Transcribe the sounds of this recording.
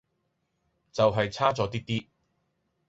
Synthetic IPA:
t͡sɐ˨wɦɐ˨jt͡sʰaː˥t͡sɔː˨˥t̪̬iː˥t̪iː˥

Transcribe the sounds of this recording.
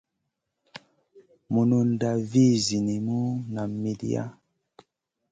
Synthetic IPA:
mu˨nu˨n˨da˨vi˦˨zi˨ni˨mu˦na˨mi˨dḭ˦a̰˦

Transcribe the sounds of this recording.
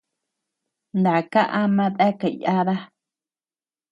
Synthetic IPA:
nd̪a˨ka˦ʔa˦mã˦ða˦ka˨ja˦ða˦

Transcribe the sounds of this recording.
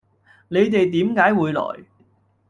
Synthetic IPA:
ne˨˧jt̪e˨jt̪̬iː˨˥mkaː˨˥jwuː˨˧jlɔ̰ː˨˩j

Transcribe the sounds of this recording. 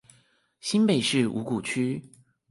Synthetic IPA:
ɕi˥npe˥˧ɪʂɻ̩˥˩ṵ˧˥ku˨˩t͡ɕʰy˥

